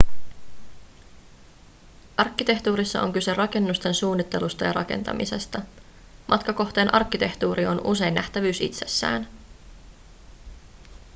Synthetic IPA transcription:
ʔɑrkːit̪e̞ht̪uːɾisːɑʔo̞̰ŋkyse̞rɑke̞nːust̪e̞nsuːnːit̪ːe̞lust̪ɑjɑɾɑ̰ke̞̰nt̪ɑ̰mḭse̞st̪ɑ | mʔɑt̪kɑko̞xt̪eːnʔɑrk̟ːit̪e̞ht̪uːɾio̞nus̬e̞jnːæht̪æʋyːsḭt̪se̞̥sːæ̰ːn

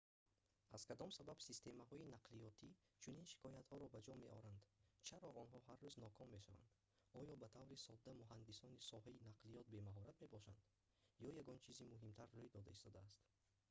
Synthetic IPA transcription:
az̥kʰad̪ɔmsababsist̪e̞maɦɔinaqlijɔt̪ʰi | t͡ʃʰuninʃi̥kɔjat̪hɔɾɔbad͡ʒɔme̞ʔɔ̰ɾand̪t͡ʃʰaɾɔɔnɦɔharːuznɔkʰɔmːeʃava̰nd̪ | ɔjɔbat̪ʰavɾisɔd̪ːamuɦand̪isɔnisɔɦainaqlijɔt̪̚be̞maɦɔɾat̪me̞bɔʃand̪ | jɔjaɡɔnt͡ʃʰizimuɦimt̪ʰaɾːujd̪ɔd̪aist̪ɔd̪aːst̪

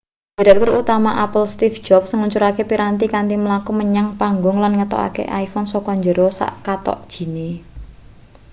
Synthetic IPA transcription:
d̥i̤ɾɛk̚t̪ʊɾut̪amaʔapəlst̪ifd̥d͡ʒ̥ɔp̚səŋuɲt͡ʃuɾakepiɾant̪ikant̪iməlakuməɲaŋpaŋɡʊŋlanŋət̪ɔ̰ʔa̰kḛʔaifɔnsɔkɔɲd͡ʒəɾɔsa̰ʔkat̪ɔ̰ʔd̥ʒ̥i̤ne

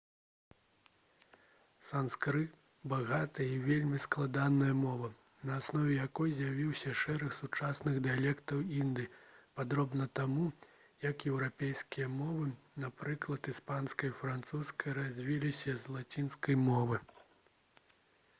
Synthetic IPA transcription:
sanskɾɨ | baɣat̪ɨjɐivʲelʲmʲisklˠad̪anɐjɐmɔvɐ | nɐːsnɔvʲɛjakɔjzʲjavʲiwsʲɐʂɛɾɐxsut͡ʂasnɨɣd̪ɨjalʲɛkt̪ɐwind̪ɨpad̪ɾɔbnɐt̪amu | jɐkjɛwɾapʲejskʲijɐmɔvɨnapɾɨklˠɐt̪ispanskɐjfɾant̪suskɐjrazʲvʲilʲisʲɐzlˠat͡sʲinskɐjmɔvɨ

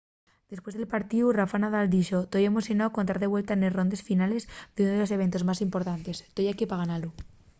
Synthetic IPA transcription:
d̪̥e̞spwe̞zðe̞lpaɾt̪iurafanað̞ald̪iʃo̞t̪ojemosjonawko̞nt̪aɾðe̞βwe̞lt̪anero̞nd̪e̞sfinale̞zd̪eunoðeose̞β̞e̞nt̪o̞zmasimpo̞ɾt̪ant̪e̞st̪ojakipaɣanalu

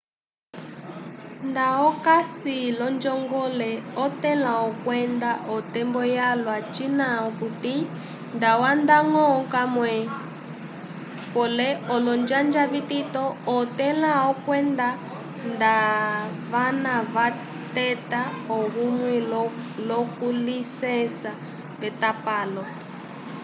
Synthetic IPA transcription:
ndaɔkasilɔnd͡ʒɔŋɡɔlɛɔtɛlaɔkwɛndaʔɔtɛmbɔjalwat͡ʃinaɔkuti | ndawandaŋɔkamwɛ | pɔlɛɔlɔnd͡ʒand͡ʒaβitit̪ɔɔt̪ɛlaɔkwɛnda | ndaβanaβa | t̪ɛtaɔɣumwɛlɔkulisɛnsa | βɛt̪apaːlɔ

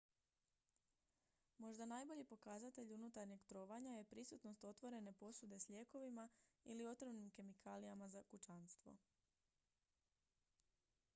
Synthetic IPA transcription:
mo̞ʒd̪anajbo̞ʎipo̞kazat̪e̞ʎunut̪aɾɲe̞ɡt̪ɾo̞ːʋaɲaje̞pɾisut̪no̞st̪o̞t̪ʋo̞ɾe̞ne̞po̞sud̪e̞sʎe̞ko̞ʋimailio̞t̪ɾomnimke̞mikʰalijamazakut͡ʃanst̪ʋo̞̰

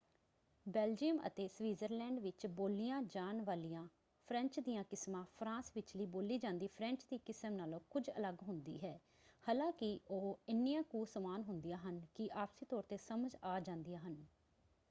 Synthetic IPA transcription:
bɛːld͡ʒiːəmə̰t̪eːsʋiːzəɾlɛ̃ːɳɖʋɪt͡ʃboːlijãːd͡ʒaːnʋaːlijãː | pʰɾɛ̃ɲt͡ʃd̪ɪjãːkɪsmãːpʰɾãːsʋɪt͡ʃləiːboːliːd͡ʒãːnd̪iːpʰɾɛ̃ɲt͡ʃd̪iːkɪsəmnaːlõːkʊd͡ʒə̰ləɡɦʊnd̪ḭːɦɛː | haːlãːkɪoːɪnːijãːkuːsəmaːnɦʊnd̪ɪjãːɦənkɪʔaːpsiːt̪ɔːɾt̪eːsəməd͡ʒaːd͡ʒãːnd̪ɪjãːɦən

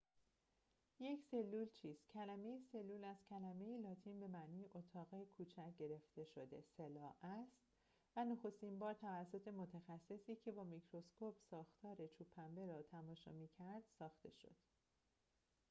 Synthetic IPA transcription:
je̞cʰse̞lːuːlt͡ʃʰiːz̥cʰælæme̞jese̞lːuːlæzcʰælæme̞jelɒːt̪ʰiːnbe̞mæʔniːjeʔot̪ʰɒːɣekʰuːt͡ʃʰæcɟe̞ɾe̞ft̪e̞ʃo̞d̪e̞selɒːæst̪ | vænoxo̞st̪imbɒːɾt̪ʰævæsːo̞t̪ʰe̞mo̞t̪ʰæxæsːe̞siːcʰe̞bɒːmicʰɾo̞skopsɒːxt̪ʰɒːɾe̞t͡ʃʰuːpʰːæmbe̞ɾɒːt̪ʰæmɒːʃɒ̰ːmiːcʰæɾd̪̥sɒːxt̪e̞̰ʃo̞̰d̪̥

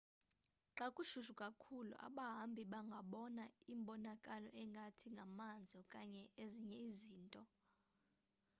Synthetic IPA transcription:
ǁakʼuʃuʃukʼakʰulṵʔa̰ɓaɦambʱiɓaŋɡʱaɓɔnaimɓɔnakʼalɔʔɛŋɡʱatʰiŋɡʱamand͡zʱɔkʼaɲɛeziɲɛiziːntʼɔ

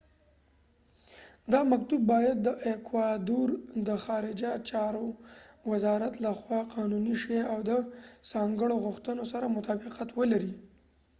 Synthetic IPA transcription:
d̪ɑmak̚t̪ubːɑjad̪ːəʔekwɑd̪uɾd̪əxɑɾɪd͡ʒat͡ʃɑɾowɪzɑɾat̪laxwɑqɑnuniʃeawd̪əsɑŋɡəɽoɣʊxt̪ənosaɾamʊt̪ɑbɪqat̪wəlaɾi

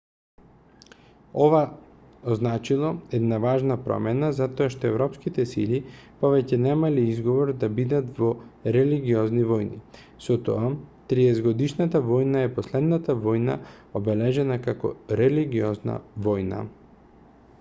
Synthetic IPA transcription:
ɔva | oznat͡ʃilˠɔɛd̪navaʒnapɾɔ̰mɛnazat̪ɔaʃt̪ɔɛvɾɔpskit̪ɛsilipɔvɛcɛnɛmaliizɡɔvɔɾd̪abid̪at̪vɔɾɛliɡiɔznivɔjnḭ | sɔt̪ɔ̰at̪ɾiɛzɡɔd̪iʃnat̪avɔjnaɛpɔslɛd̪nat̪avɔjna̰ | obɛlɛʒɛnakakɔ̰ɾɛliɡiɔzna̰vɔjna̰

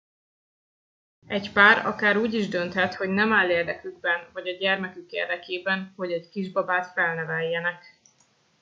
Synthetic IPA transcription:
ɛcpaːɾɒ̰kaːɾuːɟiʒd̪ø̞nt̪hɛt̪ho̞ɟnɛmaːlːeːrd̪ɛkyɡ̚bɛnvɒɟɒɟɛrmɛkykḛːrd̪ɛkeːbɛnho̞ɟɛckiʒbɒbaːt̪fɛlnɛvɛjːɛnɛk

